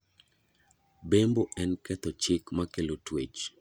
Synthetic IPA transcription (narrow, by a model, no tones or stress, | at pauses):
bemboɛnkɛt̪ɔt͡ʃɪkmakelotwet͡ʃ